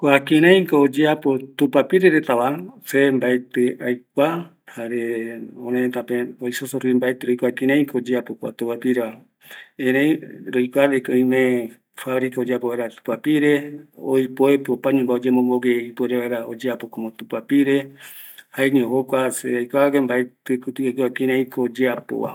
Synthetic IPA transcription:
koakeɾ̃ẽj̃koːd͡ʒeapot̪upapiɾeɾet̪aβasembaet̪eʔajk̚ʷa | haɾeõɾẽt̪apeojsosoɾuimbaet̪eɾojkʷakẽɾãj̃kood͡ʒeapokʷa̰t̪upapiɾeβa | ẽɾẽjɾojkʷaɾekoĩmẽ | faβɾikaod͡ʒeapoβaeɾat̪u̥papiɾeo̰jpoepopaɲũmbaod͡ʒemõmboɡeipoeɾeβaeɾaod͡ʒeapokomot̪upapiɾe | haeɲẽɦokʷaseajkʷaβakembaet̪ekut̪uakwakiɾẽĩkʰod͡ʒeapo̰wa̰

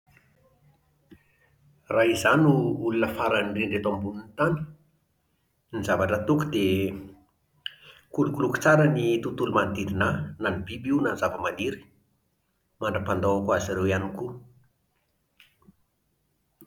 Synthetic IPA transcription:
raizanuulunəfaɾanriɳɖ͡ʐet̪ambununt̪ani̥ | nizavaʈ͡ʂət̪ukud̪e | kulukuluku̥t͡saɾənit̪ut̪ulumand̪iɾinananibibiwnanzavəmad̪iɾi̥ | maɳɖ͡ʐəpand̪aakuaziɾewianiku

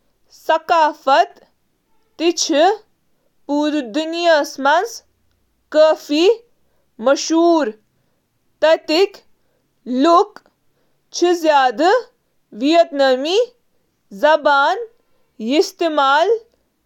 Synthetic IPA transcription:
sɐkaːfɐt̪ː | it͡ʃʰi | puːɾd̪unjɐsmɐns | kəːfi | mɐʃuːɾ | t̪ɐt̪ik | luk | t͡ʃʰizjaːd̪ɨ | ʋijɐt̪nɐmi | zɐbaːn | jist̪imaːl

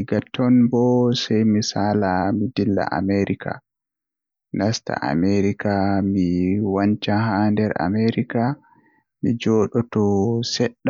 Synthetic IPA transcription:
iɡatːɔnbɔsajmisaːlamidilːa̰ʔa̰meɾikʰa̰ | nasta̰ʔa̰meɾikamiwant͡ʃaɦandɛɾa̰meɾika | mid͡ʒɔːɗɔtɔsɛɗːa

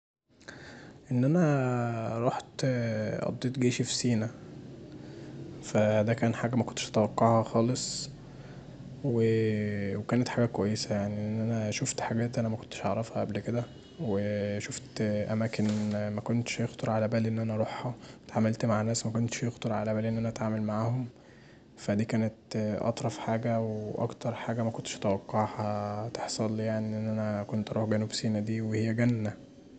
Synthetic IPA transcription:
ʔenːʔænæ | ɾˤoħt̪ʔɑ̰d̪ˤːeːt̪ɡeːʃifisiːnæ | fæd̪ækæːnħaːɡæmækont̪eʃʔæ̥t̪æwæqːɑʕhɑxɑːlesˤ | wewekæːnet̪ħaɡækwæjːesæjaʕniʔenːʔænæʃoft̪ħaɡæːt̪ʔænæmækont̪ːe̥ʃʔɑʕɾˤɑfhɑʔæblked̪æ | weʃoft̪ʔæmæːkenmækont̪ʃjext̪ɑɾˤʕalæbæːlʔenːʔænæɾˤoħhæt̪ʕamælt̪maʕnːæːsmækont̪ʃjext̪oɾˤʕalæbæːlʔenːʔænæʔæt̪ʕaːmælmaʕaːhom | fæd̪iːkæːnet̪ʔɑ̰t̪ˤɾˤɑfħaːɡæweʔɑ̰kt̪ɑɾˤħaːɡæmækont̪e̥ʃʔæt̪æwɑqːɑʕhɑt̪eħsˤɑljaʕniʔenːʔænækont̪ʔɑɾuːħɡænubsiːnæd̪iːwehejːæɡænːæ

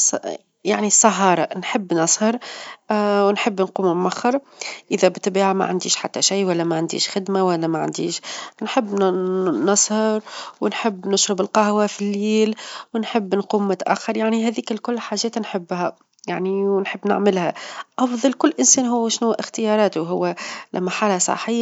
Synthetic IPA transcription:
s | jaʕnisˤɑɦɑːɾˤɑnħɪbːnɑsˤhɑɾˤ | wɪnħɪbːnquːmmmaxːɑɾˤ | ʔɪðæbɪt̪ːbiːʕama̰ʕa̰nd̪ḭːʃħa̰t̪ːæʃijwælːæmaʕand̪ḭːʃxɪd̪mawælːæmæʕa̰nd̪ḭːʃnħɪbːnɑsˤhɑɾˤwɪnħɪbːnʊʃɾɪbɪlqɑhwafilːiːlwɪnħɪbːnquːmːʊt̪aʔæ̰xːɑɾˤjaʕniɦɛːðiːkɪlkʊlːħaːʒɛːt̪nħɪbːhæ | jaʕniwnħəbːnɪ̰ʕmɪlhæʔɑfðˤɑlkʊlːʔɪnsɛːnɦʊwːʃnʊwːʔɪxt̪ɪjɑːɾˤɑːt̪ʊɦʊwːælʔæ̰mːæħaːlhasˤɑ̰ħɪjː

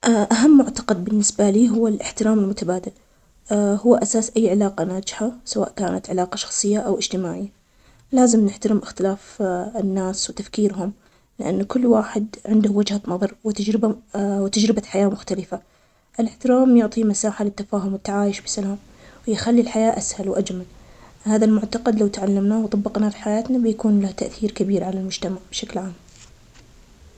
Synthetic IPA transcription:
ʔaʔaɦamːʊʕt̪ɑ̥qɑd̪̚bɪnːɪsbaliːɦʊwːalʔɪħt̪ɪɾaːmɪlmʊt̪abaːd̪al | hʊwːʔasaːsʔajːʕɪlaːqanaːd͡ʒɪħasawa̰ːʔkaːnat̪ʕɪlaːqɑʃɑ̥xsˤɨjːaʔawʔɪd͡ʒt̪ɪmaːʕɪjːa | laːzɪmnɪħt̪aɾɪmʔɪxt̪ɪlaːfɪnːaːswɪt̪afkiːɾɦʊm | lɪʔa̰nːkʊlːwaːħɪd̪ʕɪnd̪ʊwɪd͡ʒhanɑðˤɑɾˤwɪt̪ad͡ʒɾɪbawt̪ad͡ʒɾɪbaħajaːmʊxt̪alɪfa | ʔɪlɪħt̪ɪɾaːmjʊʕt̪ˤimasaːħalɪt̪ːafaːɦʊmwɪt̪ːaʕaːjɪʃbɪ̥salaːm | wjɪxalːilħajaːʔashalwʔad͡ʒmalhaːðalmʊʕt̪ɑqɑd̪lawt̪aʕalːamnaːwt̪ˤɑbːɪqnafiħajaːt̪nabɪjakuːnlaht̪aʔθiːɾkabiːɾʕalalmʊd͡ʒt̪amaʕb̥ʃaklʕaːm

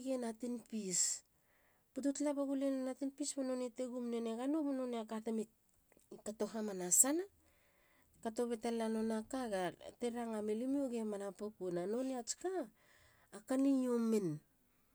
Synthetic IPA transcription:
ɡenatinpis | pututlapaɡulenanatinpismono̞nete̞ɡumnene̞ɡanumononeakatemi | kato̞ɦamanasana | kato̞βe̞talano̞nakaɡate̞ɾaŋamelimioɡemanapukunano̞neat͡ʃkaː | kanijomen

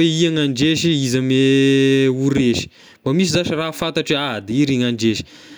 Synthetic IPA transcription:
eiaŋaɳɖ͡ʐeʃiizame | uɾeʃi̥ | bamis̬izaʃirafat̪aʈ͡ʂead̪iiɾiŋaɳɖ͡ʐeʃi̥

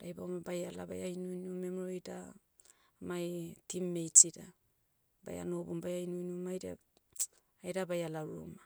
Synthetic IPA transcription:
ɾajbamabajala̰ba̰jajnujnumemɾojda | majtimːejt͡ʃiɾa | ba̰ja̰nobumbajajnujnumajɾa̰ | ajɾabajalaɾṵma

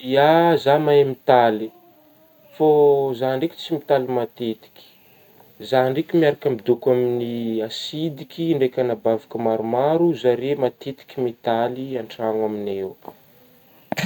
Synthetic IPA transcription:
iazamajmit̪ali | fozaɳɖ͡ʐeki̥t͡simit̪alimat̪et̪i̥kʲi̥ | zaɳɖ͡ʐekʲimiaɾakʲamid̪ukaminiasid̪ikʲiɳɖ͡ʐekʲanabavikəmaɾumaɾuzaɾemat̪et̪i̥kʲimit̪aliaɳʈ͡ʂaŋwaminew

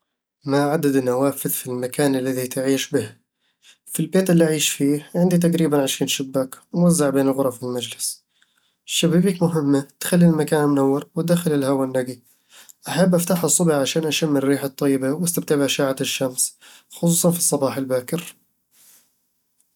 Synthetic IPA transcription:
maʕad̪ad̪nːawaːfɪðfilmakʰaːnalːaðit̪ʕiːʃbɪh | filbeːt̪ɪlːiʔaʕiːʃfiːʕɪnd̪it̪̬aqɾiːbanʕɪʃiːnʃɪbːakwmwazːɪʕbeːnɪlɣʊɾˤɑfilmad͡ʒlɪs | ʃːabaːbikmʊɦɪmːat̪xalːilmakaːnmʊnawːɪɾwd̪axɪlɪlhawanːaɡi | ʔaħabːʔaft̪aħɑsˤːʊbɪʕʕaʃaːnʔaʃamːɪrːiːħat̪ˤːɑjːɪbawʔast̪ab̚t̪abaʕʃaːʕaʃːamsxʊsˤuːsˤɑnfi̥sˤːɑbɑːħɪlbaːkɪɾ

